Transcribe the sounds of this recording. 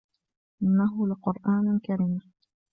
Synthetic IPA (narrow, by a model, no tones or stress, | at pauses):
ʔɪnːaɦʊlɪqʊɾʔaːnkaɾiːm